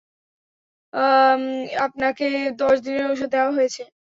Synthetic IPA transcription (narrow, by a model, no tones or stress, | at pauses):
ap̚naked̪ɔʃd̪ineɾoʃ̬od̪ːeoaɦojet͡ɕʰe